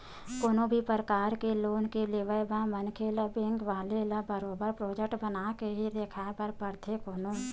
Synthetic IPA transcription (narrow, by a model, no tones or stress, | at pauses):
koːnõbʱipəɾəkaːɾkeloːnkeleʋəjbãːmənkʰeləbɪ̃ŋɡʋaːleləbəɾoːbəɾpɾoːd͡ʒek̚ʈbənaːkeɦid̪eːkʰapəɾpəɾt̪ʰekoːno